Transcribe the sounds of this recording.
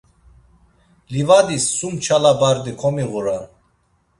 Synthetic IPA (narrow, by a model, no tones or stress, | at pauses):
livad̪isːumt͡ʃʰalabaɾd̪ikʰɔmiɣuɾan